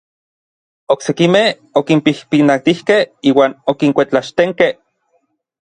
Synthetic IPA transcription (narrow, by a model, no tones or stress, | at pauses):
oksekimeh | okimpihpinat̪ihkehiːwaːnokiŋkʷet͡ɬaʃt̪eŋkeh